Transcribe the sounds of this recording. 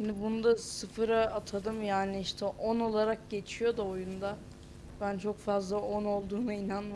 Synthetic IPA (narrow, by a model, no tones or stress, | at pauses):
ʃind̪ɪbunud̪asɯfɯɾaːt̪ʰad̪ɯmjaːnɪiʃt̪ʰɛʔono̞lˠaɾak̚ɟe̞t͡ʃʰijo̞d̪uojund̪a | bænt͡ʃʰo̞kfazlˠao̞no̞lˠd̪uːnainanm